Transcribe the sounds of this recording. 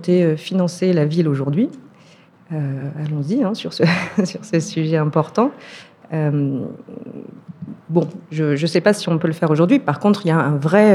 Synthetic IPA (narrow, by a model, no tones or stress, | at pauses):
t̪eøfinɑ̃selaviloʒuʁd̪ɥi | øalɔ̃ziɛ̃syʁsəsyʁsəsyʒɛɛ̃pɔʁt̪ɑ̃ | øm | bɔ̃ʒəʒəsɛpasiɔ̃pøləfɛʁoʒuʁd̪ɥipaʁkɔ̃t̪χiljaɛ̃vʁɛ